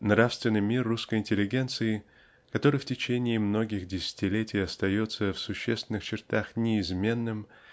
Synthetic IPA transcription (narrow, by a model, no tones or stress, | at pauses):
nɾafst̪vʲɪnːɨjmʲirːuskəjɪnʲtʲɪlʲːɪɡʲe̞nt̪sɨɪ | kɐt̪o̞ɾɨjftʲɪt͡ɕenʲɪːmno̞ɡʲɪxdʲɪsʲɪ̥tʲɪlʲetʲɪjɐst̪ɐjo̞t̪səfsʊɕːest̪vʲɪnːɨxt͡ɕɪrt̪axnʲɪɪzmʲe̞nːɨm